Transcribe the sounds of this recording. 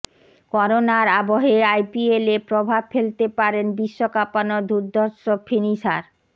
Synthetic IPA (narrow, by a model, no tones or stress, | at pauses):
kɔɾonaɾaboɦeajpielepɾobʱabfelt̪epaɾenbiʃːokapanod̪uɾd̪ʱɔɾʃofʰiniʃa̰ɾ